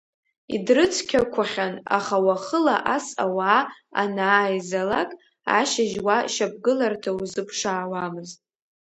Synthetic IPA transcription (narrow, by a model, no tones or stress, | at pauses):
ḭdrɨt͡sʰkʲʰakʷʰaχʲana̰χawaχəlaʔasawaːa̰naːjzalakʼ | a̰ʃaʒwaʃab̚ɡɨlartʰauzɨpʰʂaːwamɨztʼ